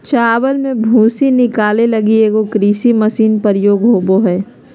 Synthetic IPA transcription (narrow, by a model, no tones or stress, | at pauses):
t͡ʃaːwəlmẽbʱũːsinɪkaːlelɐɡieːɡokɾiːsimɐsiːnpɐɾjoːɡɦoːboɦɛː